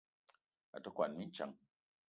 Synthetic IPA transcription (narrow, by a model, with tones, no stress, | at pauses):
a̰˨tɔ˦kwa˨nmi˦n˦t͡ʃa̰˨ŋ